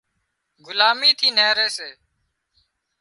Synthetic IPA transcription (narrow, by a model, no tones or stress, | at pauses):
ɡʊlaːmiːt̪ʰiːneːɾeːseː